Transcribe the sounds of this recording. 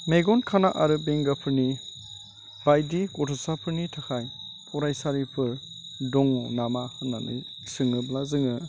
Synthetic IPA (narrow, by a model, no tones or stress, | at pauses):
meɡɔnkʰanaʔaɾɯbeŋɡapʰɯɾni | bajdikɔtʰɔsapʰɯɾnitʰakʰajpʰɔɾajsaɾipʰɯɾ | dɔŋɔnamahɯnːanɯ̰j | sɯŋɯblazɯŋɯ